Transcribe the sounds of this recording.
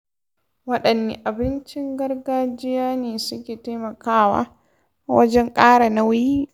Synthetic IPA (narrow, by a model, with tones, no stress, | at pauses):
wɐ˦ɗɐ˨nːḭ˨ʔa˨bɪ˦nt͡ʃɪ˦ŋɡɐ˦ɾɡaː˦d͡ʒɪ˦jaː˦neː˨sʊ˦kʲeː˨ta˦mɐ˨kaː˦wa̰ː˦ | wɐ˦d͡ʒɛ˦ŋkʼaː˦ɽa˨na˦wji˦